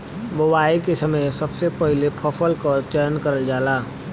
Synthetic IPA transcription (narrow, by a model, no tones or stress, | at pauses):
bowaːikesɐməjsɐbsepɛɦlepʰɔfəlkəɾt͡ʃəɾnkɐɾəld͡ʒaːlaː